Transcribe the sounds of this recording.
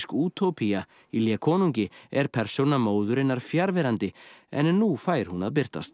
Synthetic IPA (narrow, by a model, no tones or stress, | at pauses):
skuːt̪ʰowpʰia | iljakʰɔːnuɲcɪɛɾ̥pʰɛɾ̥sownamoːwðʏɾɪnːaɾ̥fjaɾvɛɾant̪ɪɛ̰nːufaːjɪɾ̥hunaðp̬ɪr̥t̪a̰st̪